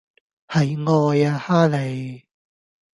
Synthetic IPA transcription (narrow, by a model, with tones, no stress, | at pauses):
hɐ˨˧jŋɔː˧ja˧haː˥le˨j